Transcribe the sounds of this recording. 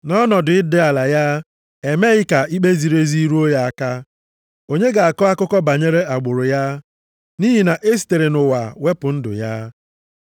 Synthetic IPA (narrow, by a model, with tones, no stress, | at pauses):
nɔ˦nɔ˨dʊ˨ɪ˦dɪ˦a˨la˨ja˦ | e˨me˦ɣɪ˦ka˨i˦k͡pe˦zi˨ɾe˦zi˦i˦ɾu˦o˦ja˨a˦ka˦ | o˦ɲe˦ɡa˨a˨kɔ˦a˦kʊ˦kɔ˦ba˨ɲe˦ɾe˦a˨ɡ͡bʊ˨ɾʊ˨ja˦ | ni˦ɦi˨na˨ʔe˦s̬te˨ɾe˨nʊ˨wa̰˨we˦pʊ˨n̩˦dʊ̰˨ja˦